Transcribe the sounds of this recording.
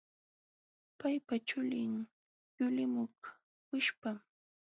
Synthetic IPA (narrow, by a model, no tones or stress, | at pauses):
pajpat͡ʃʊlɪŋ | jʊlɪmʊχ | kʊʃpam